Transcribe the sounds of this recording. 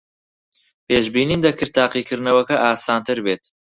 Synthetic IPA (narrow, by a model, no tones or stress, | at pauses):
peːʒbiːniːnd̪ɐkɨɾt̪ʰːaːqikʰɨɾnɐwɐkɐʔaːsaːnt̪ʰɨɾbeːt̪